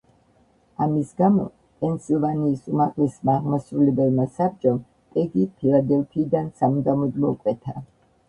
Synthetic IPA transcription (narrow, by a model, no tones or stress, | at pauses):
amisɡamɔ̰ | pʼɛnsilˠvaniːsumaʁlɛsmaːʁmasɾulɛbɛlmasab̚d͡ʒʼɔm | t̪ʼɛɡipʰilˠad̪ɛlˠpʰiːd̪ansamud̪amɔd̪mɔkʼwɛt̪ʰa